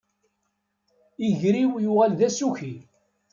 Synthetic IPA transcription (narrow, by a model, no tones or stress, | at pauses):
iʝɾiwjʊʁælðæsuçi